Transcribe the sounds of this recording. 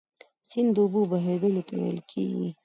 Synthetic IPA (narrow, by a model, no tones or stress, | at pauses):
sind̪ububaɦed̪əlot̪awḛjlkʰḛɡḭ